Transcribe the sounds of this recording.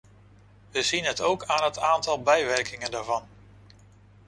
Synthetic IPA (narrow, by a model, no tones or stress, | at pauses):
ʋəzinɦətowkaːnɦətaːntɑlˠbɛjʋɛɹkɪŋəndaːɹvɑn